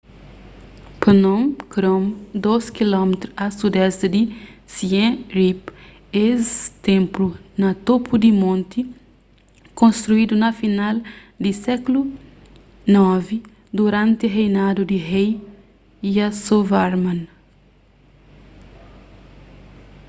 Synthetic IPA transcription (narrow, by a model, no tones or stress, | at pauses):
pnõmkɾõmd̪oskilɔmet̪ɾuɐsud̪ɛst̪ɪd̪ɪsiẽɾip | est̪ẽmplunɐt̪opud̪imõnt̪i | kõnst̪ɾuid̪unɐfinal | d̪ɪsɛklu | nɔvi | d̪uɾãnt̪ɪɦejnad̪ud̪iɦej | jɐsovaɾmãn